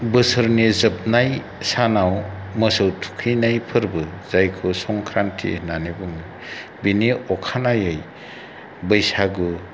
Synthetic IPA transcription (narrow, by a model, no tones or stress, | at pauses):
bɯsɯɾnizɯp̚naj | sanawmɯsɯwtʰu̥kʰɯjnajpʰɯɾbɯzajkʰɯsɔŋkʰɾantʰḭnanebɯŋɯjbiniɔkʰanajɯj | bɯjsaɡɯ